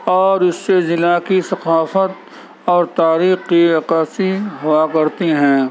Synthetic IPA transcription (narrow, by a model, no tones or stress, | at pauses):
ɔːɾɪsːezɪlakisɐqaːfət̪̚ | ɔːɾt̪aːɾiːxːiɐqaːsiɦʊakɐɾt̪iɦɛ̃ː